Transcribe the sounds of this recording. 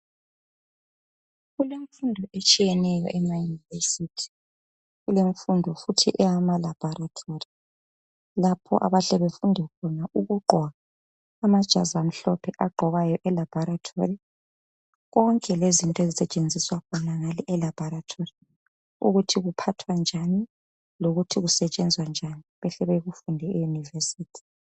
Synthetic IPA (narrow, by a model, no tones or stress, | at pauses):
ɣuleɱfundʱɔʔet͡ʃʼijɛnɛjɔ̰ʔɛmajunivesitʰi̥ | ɣuleɱfundʱɔfutʰiʔɛjamalab̥ʱɔɾatʰori | lapʰɔ̰ʔa̰βaɬɛβefundʱɛkʰɔnaʔuɣuɡ͡ǃʱwaː | mad̥ʒ̥ʱa̰zam̩ɬɔpʰɛʔaɡ͡ǃʱɔɣajɔʔɛlab̥ʱɔɾatʰo̰ri | ɣɔŋkʼɛlezintʼɔezisɛt͡ʃʼend͡zʱiswakʰɔnaŋaliʔɛlab̥ʱɔɾatʰori | ṵɣutʰiɣupʰatʰwand͡ʒʱani | loɣutʰiɣusɛt͡ʃʼɛnd͡zʱwand͡ʒʱaniβɛɬɛβeɣufundʱɛɛjunivesiːtʰi̥